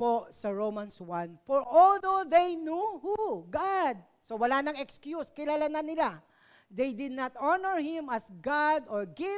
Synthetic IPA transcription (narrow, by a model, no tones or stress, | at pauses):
posɐɹowmanswãnfɔɹʔɔld̪oðejnjuhuɡad̪̚ | sowɐlanɐŋɛkskjuskɪlaːlanɐnɪla | d̪ejd̪ɪd̪̚nat̪ʔɔnɛɹhɪ̃mɐsɡad̪ɔɹɡɪ